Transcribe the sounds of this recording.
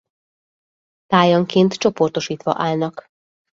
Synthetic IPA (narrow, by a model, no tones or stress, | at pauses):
t̪aːjɒŋkeːnt̪t͡ʃo̞po̞rt̪o̞ʃiːt̪ʋɒ̰ʔaːlnɒk